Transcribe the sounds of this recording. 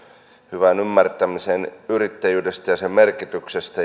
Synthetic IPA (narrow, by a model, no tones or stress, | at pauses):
hyʋænymːært̪æmisenyrit̪ːæjyːdest̪æjɑsemmerkit̪yksest̪æ